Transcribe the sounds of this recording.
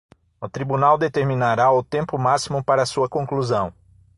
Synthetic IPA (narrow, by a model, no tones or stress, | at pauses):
ʊt̪ɾibunawd̪et̪eɾmĩnaɾaʊt̪ẽmpʊmasimʊpaɾɐsuɐkõkluzɐ̃w̃